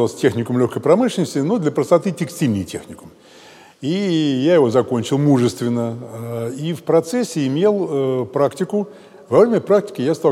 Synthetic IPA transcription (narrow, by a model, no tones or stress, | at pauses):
alˠsʲtʲexnʲɪkʊmlʲoxkəjpɾɐmɨʂlʲɪnəsʲtʲɪnod̪lʲəpɾəst̪ɐt̪ɨtʲɪksʲtʲilʲnʲɪjtʲe̞xnʲɪkʊm | ijajɪvo̞zɐko̞nʲt͡ɕɪlˠmuʐɨst̪vʲɪnːə | ifpɾɐt̪sesʲːɪɪmʲe̞lˠpɾaktʲɪkʊ | vɐvɾʲemʲəpɾak̚tʲɪ̥kʲɪjast̪a